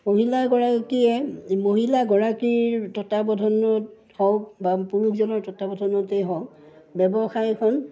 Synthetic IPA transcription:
moɦilaɡɔɹakiɛmoɦilaɡɔɹakiɹtɔtabɔdʱɔnɔt | hɔwkbapuɹukzɔnɔɹtɔtabɔdʱɔnɔteɦɔw | bɛbɔxajɛkʰɔn

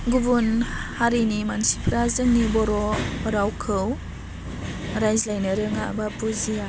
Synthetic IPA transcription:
ɡubunhaɾinimansipʰɾazɯŋnibɔɾɔmɐɾawkʰɯw | ɾajzlajnɯɾɯŋabapuzia

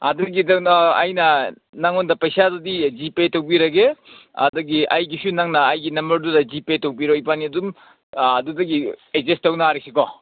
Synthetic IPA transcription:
ɐduɡidɐnɐ̰jnɐ | naŋondɐpɐjsadudid͡ʒipetowbiɾɐɡeɐ̰dɐɡiɐjɡisunaŋnɐːjɡinɐmbɐɾdudɐd͡ʒipetowbiɾoipaniɐdum | ɐdudɐɡiezestɐwnaɾesikɔ

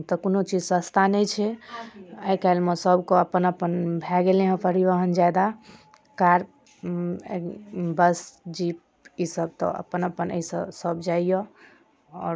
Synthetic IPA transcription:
t̪ɔkonot͡ʃid͡ʒsəst̪ʰanɛjt͡ʃʰɛ | əikalməsəbkoəpənəpənbʱɛɡelẽɦə̃pəɾiʋəɦənd͡ʒajd̪a | kaɾ | bəsd͡ʒip̚ | isəb̚t̪ɔ̰ə̰pənəpənə̰isəsəbd͡ʒajjɔ | ɔ̰ːɾ

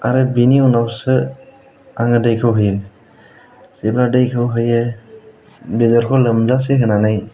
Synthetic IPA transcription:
a̰ɾebiniunawsɯ | aŋɯdajkʰɯwɦɯjm | sebladajkʰɯwɦɯje | bezɔɾkʰɔləmzas̬eɦʰɯnanaj

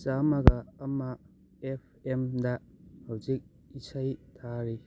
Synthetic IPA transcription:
t͡ʃamaɡɐːma | ep̚ʰemdɐhawzik̚ | isajtʰaɾi

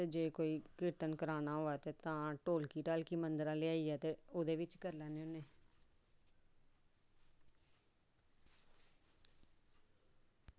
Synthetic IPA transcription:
teːd͡ʒeːkoːiːkɪɾt̪ənkəɾaːnaːɦoːɛːt̪eːt̪ãːʈoːlkiːʈaːlkiːmənd̪əɾãːleaːiːɛːt̪eːʊd̪eːʋɪt͡ʃkəɾlɛːneõːneː

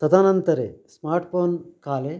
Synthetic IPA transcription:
t̪ɐd̪aːnɐnt̪ɐɾesmaːɾʈpʰoːnkaːle

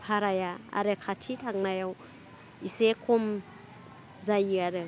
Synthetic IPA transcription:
pʰaɾajaa̰ɾekʰatʰitʰaŋnajaw | isekʰom | zajiaɾɯ

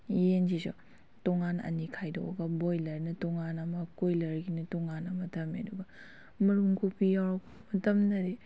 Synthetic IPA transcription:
jensiso̰ | tɔŋanɐ̰nikʰajdo̰wɡɐbojlɐɾnɐtɔŋanɐmɐkojlɐɾɡinɐtɔŋanɐmɐtʰɐmḛdubɐ | mɐɾumkupijaɾb | mɐtɐmnɐɾi

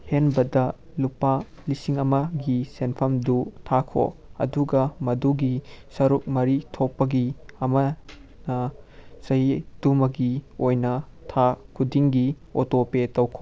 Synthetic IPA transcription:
henbɐdɐ | lupa | lisiŋɐmɐɡisenpʰɐmdutʰakʰo̰ɐ̰duɡɐmɐduɡisɐɾuk̚mɐɾitʰopːɐɡiɐmɐ | nɐsɐɦid̥umɐɡiojnɐ | tʰakʰudiŋɡi | otopetɐwkʰo

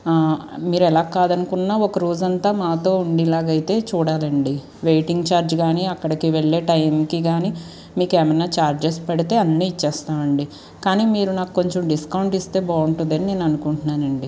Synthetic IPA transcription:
miːɾɛlaːkːaːd̪ɐnukunːaːɔkɐɾoːd͡ʒɐnt̪aːmaːt̪o̞ːuɳɖilaːɡɐjit̪e̞ːt͡ʃuːɽaːlɐɳɖi | ʋejʈiŋɡt͡ʃaːɾd͡ʒɡaːniɐkːɐɽɐkiʋeɭːeːʈɐjmkiɡaːni | miːkeːmɐjnːaːt͡ʃaːɾd͡ʒespɐɽit̪e̞ːɐnːiːt͡ʃːɛːst̪aːʋɐɳɖi | kaːniːmiːɾunaːkuko̞ɲt͡ʃomɖiskɐwuɳʈist̪e̞ːbaːuɳʈund̪ɐnine̞ːnɐnukuɳʈunːaːnɐɳɖi

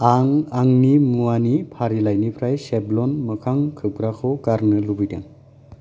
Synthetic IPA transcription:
aŋaŋnimuanipʰaɾilajnipʰɾajseblɔnmɯkʰaŋkʰɯb̚ɡɾakʰɔɡaɾnɯlubɯjdḛŋ

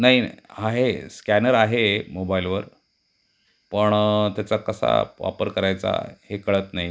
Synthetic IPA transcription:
naɦiaɦeskænəɾaɦemobailʋəɾ | pəɳt̪jat͡sakəsa̰ʋa̰pəɾkəɾajt͡sa̰hekəɭət̪naɦi

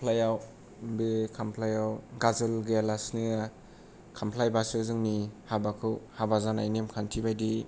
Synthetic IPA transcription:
pʰlajaw | bekʰampʰlajawɡazɯlɡelasnɯa | kʰampʰlajbasɯzɯŋnihabakʰɯwhabazanajnemkʰantʰibajdi

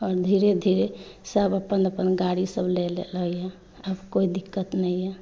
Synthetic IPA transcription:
ɔːɾd̪ʱiɾed̪ʱiɾesəbəpənəpənɡaɽisəblelḛləɛ | əbkoid̪ikːət̪nəjɛ

